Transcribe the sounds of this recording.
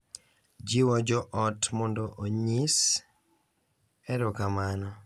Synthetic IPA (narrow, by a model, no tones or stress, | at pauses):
d͡ʒiwɔd͡ʒɔʔɔtmɔndoʔoɲis | ɛɾʊkamanɔ